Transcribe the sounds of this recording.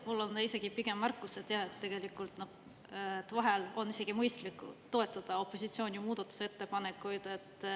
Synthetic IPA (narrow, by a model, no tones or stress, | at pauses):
mulːo̞nise̞ɡ̥ipiɡ̥e̞mːærkːˑuset̪jɑhe̞t̪ːe̞ɡ̥e̞likːˑult̪noh | t̪ːvɑɦelo̞nise̞ɡ̥imɤjst̪likːˑṵt̪o̞e̞t̪ːˑɑd̪̥ɑo̞pˑːo̞sit̪sio̞ːnʲimuːd̪̥ɑt̪ːˑu̥see̞t̪ːe̞pɑnekːujd̪̥e̞t̪ːˑ